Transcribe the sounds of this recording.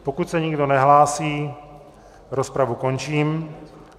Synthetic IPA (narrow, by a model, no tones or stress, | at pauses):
pokut̪sɛɲɪɡdonɛɦlaːsiː | ɾospɾavukont͡ʃiːm